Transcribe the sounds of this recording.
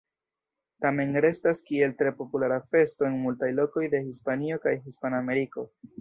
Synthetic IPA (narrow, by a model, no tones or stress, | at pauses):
tame̞nɾe̞staskie̞ltɾe̞po̞pulaɾafe̞sto̞e̞nmultajlo̞ko̞jde̞hispanio̞kajɦispaname̞ɾiko̞